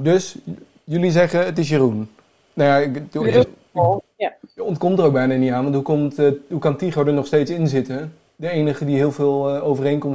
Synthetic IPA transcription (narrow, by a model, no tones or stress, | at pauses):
døs | jʏlizɛχəətɪsjərun | najaɪ | jəɔntkɔmtərowɡ̚bɛjnaːnitaːnʋɑntɦukɔmtɦukɑntiχodənɔχstejtsɪnzɪtə | dəejnəχədiɦɪːlˠvɪːlˠowvərejnkɔm